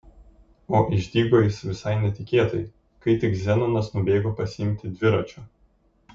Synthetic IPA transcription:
oːʔɪʒʲd̪ʲiːɡoːjɪsʋʲɪsɐɪnʲɛt̪ʲɪkʲeːt̪ɐj | kɐɪt̪ʲɪkzʲɛnonɐsnʊbʲeːɡoːpɐsʲɪɪmʲt̪ʲɪd̪ʲʋʲɪɾɐt͡ʃʲoː

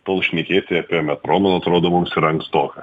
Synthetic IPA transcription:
t̪oːlˠʃʲnʲɛkʲeːt̪ʲeɐpʲiɛmʲɛt̪ɾoːmʲɛnˠɐɐt̪ɾoːd̪oːmʊmsɪɾɐŋkst̪oːkɐ

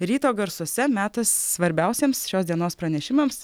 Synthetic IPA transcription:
ɾʲiːt̪oːɡɐɾsuɔsʲɛmʲæːt̪ɐsːʋɐɾʲbʲɛʊsʲeːmsʃʲoːsd̪ʲiɛnoːspɾɐnʲɛʃʲɪmɐms

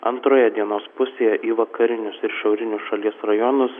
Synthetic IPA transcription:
ɐ̰nt̪ɾoːjɛd̪ʲiɛnoːspʊsʲeːjɛʔiːʋɐkɐɾʲɪnʲʊsɪɾʃɛʊɾʲɪnʲʊsʃɐlʲiɛsɾɐjɔnʊs

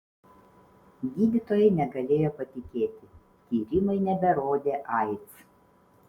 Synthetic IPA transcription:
ɡʲiːd̪ʲɪt̪oːjɛɪnʲɛɡɐlʲeːjoːpɐt̪ʲɪkʲeːt̪ʲɪ | t̪ʲiːɾʲɪmɐɪnʲɛbʲɛɾoːd̪ʲeːʔɐɪt̪s

